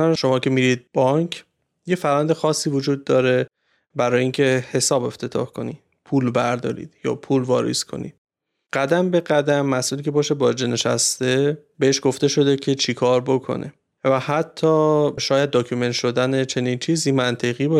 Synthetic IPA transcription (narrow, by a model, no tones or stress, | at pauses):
ʃo̞mɒːcʰe̞miːɾid̪̚b̥ɒŋkʰ | jefæɾvænd̪exɒːsːiːvod͡ʒuːd̪̚ːɒːɾe̞ | bæɾɒːjeiːŋcʰe̞he̞sɒːbe̞ft̪ʰe̞t̪ʰɒ̰ːhkʰo̞̰ni̥ | pʰuːlbæɾd̪ɒ̰ːɾḭːd̪̥jɒ̰ːpʰuːlvɒːɾḭskʰo̞̰nḭd̪̥ | ɢ̥æd̪æmbe̞ɣæd̪æmːæsʔuːliːcʰe̞bɒːʃebɒːd͡ʒene̞ʃæ̰st̪e̞ | be̞eʃɡ̥oft̪e̞ʃo̞d̪ecʰe̞t͡ʃʰikʰɒːɾbo̞kʰo̰nʔḛ | væhæt̪ʰːɒːʃɒːjæd̪̚ːoːkʰume̞nt̪ʃo̞d̪ænet͡ʃʰe̞niːnt͡ʃʰiːziːmænt̪ʰeɣiːbɒ